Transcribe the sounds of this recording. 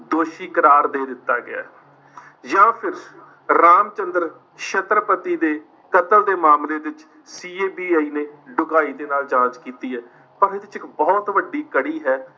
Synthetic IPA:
d̪oːʃiːkəɾaːɾd̪eːd̪ɪt̪ːa̰ːɡɪa̰ː | jãːpʰɪɾ | ɾaːmt͡ʃənd̪əɾ | ʃət̪ɾəpət̪iːd̪eː | kət̪əld̪eːmaːmleːd̪ɪt͡ʃ | siːeːbiːaːiːneːɖʊɡaːiːd̪eːnaːlt͡ʃãːt͡ʃkiːt̪iːɦɛː | pəɾɪd̪ɪt͡ʃɪkbɔːt̪ʋəɖiːkəɽiːɦɛː

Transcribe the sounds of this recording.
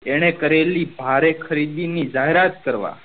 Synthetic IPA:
eɽ̃ekəɾelibʱaɾekʰəɾid̪inid͡ʒaɦeɾat̪̚kəɾʋa̰

